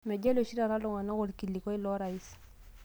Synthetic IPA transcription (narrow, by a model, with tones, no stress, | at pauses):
mɛ˨ɟe˦lo˨ʃi˦ɾa˨ɾa˦lɔ˨ŋa˨nɔ˦ɣɔ˨lki˨li˨kɔ˦i˦lɔ˦ɾa˨i˦s